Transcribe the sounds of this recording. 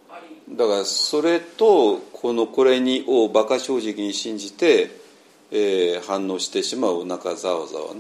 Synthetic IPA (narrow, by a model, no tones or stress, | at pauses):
d̪akaɾaso̞ɾe̞t̪o̞kʰo̞no̞ko̞ɾe̞ɲ̟iʔoːbakaɕo̞ːʑikʲiɲ̟iɕĩɲ̟d͡ʑit̪e̞ː | hãnːo̞ːɕi̥t̪e̞ɕimaɯ̟onakazao̰za̰βa̰n